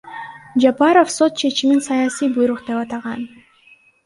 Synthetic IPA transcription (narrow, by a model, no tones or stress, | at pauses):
d͡ʒapɑɾo̞fso̞t̪̚t͡ʃʰe̞t͡ʃiminsɑjasijbujɾuqd̪e̞pɑt̪ɑʁɑn